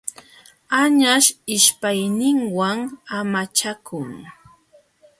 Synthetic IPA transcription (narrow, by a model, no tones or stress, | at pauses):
aɲaʃɪʃpajnɪŋwaŋamat͡ʃakʰʊŋ